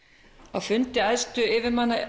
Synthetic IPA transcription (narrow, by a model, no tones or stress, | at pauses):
ɔfʏnt̪ɪaðst̪ʏɪvɪmana